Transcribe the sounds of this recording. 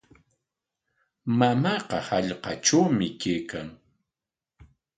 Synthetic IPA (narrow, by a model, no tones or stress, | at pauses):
mamɑqɑhaʎqɑt͡ʃawmɪkejkaŋ